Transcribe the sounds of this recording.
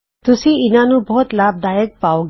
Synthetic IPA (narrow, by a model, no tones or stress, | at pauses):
t̪usiinanubɔɦt̪lab̚d̪ajək̚pawɡ